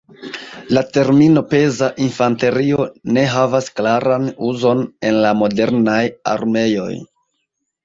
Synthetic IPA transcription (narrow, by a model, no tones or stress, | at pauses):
late̞ɾmino̞pe̞zaʔinfante̞ɾio̞ne̞ɦavasklaɾanuzo̞ne̞nlamo̞de̞ɾnaja̰ɾme̞jo̞̰j